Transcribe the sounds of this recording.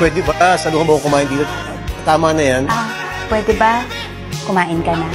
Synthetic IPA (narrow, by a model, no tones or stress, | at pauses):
pwɛːd̪ɪbɐsɐluːhɐnbɐwɐŋkʊmaːʔɪnd̪iːt̪o | t̪aːmɐnɐjanʔa | pwɛːd̪ɛbɐ | kʊmaːʔɪnkɐna